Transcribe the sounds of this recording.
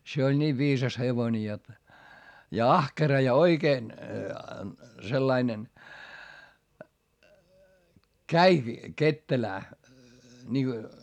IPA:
se olʲ nʲiːʋ ʋiːsɑs heʋoĭne jot jɑ ɑhkerɑ jɑ oikeːn selːɑinen kæiki ketːelæː nʲiŋɡ̊o

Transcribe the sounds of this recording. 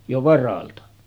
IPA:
jo ʋɑrɑltɑ

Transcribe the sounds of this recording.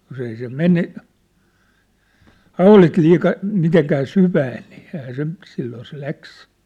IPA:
jos ei se mene hɑulit liːkɑ miteŋkæː syʋæːn̆ niː ehæː se silːoː se læks

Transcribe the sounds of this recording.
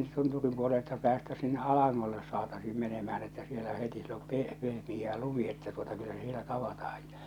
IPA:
tunturim puoleltɑ pæːstæs sinːe ɑlɑŋːolːes sɑːtɑsiːm menemæhæn etːæ sielæ heti siel om peh pehmijˑæː lumi etːæ tuotɑ kylːæ se sielæ tɑʋɑtɑhɑj j̊ɑ̥

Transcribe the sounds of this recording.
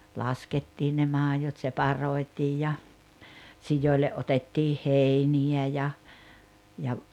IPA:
lɑsketːiːn ne mɑːjot sepɑroi̞tiːj jɑ sijoˑile ʔotetːiː heˑiniæ jɑ jɑ

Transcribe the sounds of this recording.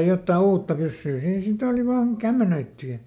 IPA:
jotːɑː uːtːɑ pysːyː siːn sit oˑli ʋɑːn kæmːenøitːy jɑ

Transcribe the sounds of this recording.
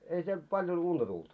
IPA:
ei siel pɑljon untɑ tult

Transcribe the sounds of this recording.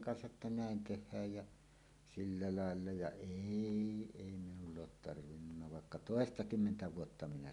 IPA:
kɑnsɑʔ ʔetːæ næˑen tehˑæːj jæ silːæ lɑelːɑ jɑ eˑi eˑi minulː oːt tɑrʋinːunːɑ ʋɑˑekːɑ toˑestɑkymːentæ ʋuotːɑ minæ

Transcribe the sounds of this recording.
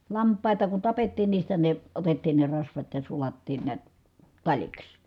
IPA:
lɑmpˑɑˑitɑ ku tɑpetːiːn niːstæ ne otetːiːn ne rɑsʋɑt jɑ sulɑtːiːn niæt tɑlʲiks

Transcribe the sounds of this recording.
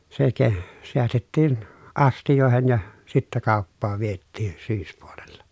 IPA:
se ke seæstetːiːn ɑstijoˑehen jɑ sitːæ kɑˑopːɑːʋ ʋietːiːn̞ syːspuolelːɑ

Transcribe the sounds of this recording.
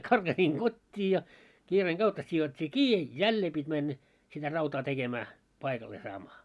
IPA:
kɑrɡ̊ɑsiːŋ ɡ̊otʲːiː jɑ kiːreːŋ ɡ̊ɑutːɑ sijotʲːiː kiː jælːeː pitʲ mænːæ sitæ rɑutɑː tekemæː pɑikɑlːeː sɑːmɑː

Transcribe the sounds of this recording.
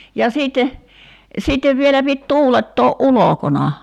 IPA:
jɑ siːtːe siːtːeʋ ʋielæ pit tuːletːoːʔ ʔulokonɑ

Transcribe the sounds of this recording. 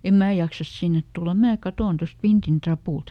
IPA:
em mæː jɑksɑs sinːet tulːɑ mæː kɑtoˑn tost ʋintin trɑpuˑlt

